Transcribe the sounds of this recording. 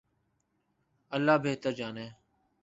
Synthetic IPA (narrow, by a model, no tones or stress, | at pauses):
əlːaːbeːt̪əɾd͡ʒaːneː